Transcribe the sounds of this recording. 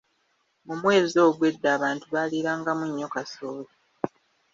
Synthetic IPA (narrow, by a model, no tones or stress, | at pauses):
mumwe̞ːzio̞ːβwe̞dːaːβaːntuβaliɾaːŋɡamuɲːo̞kasoːli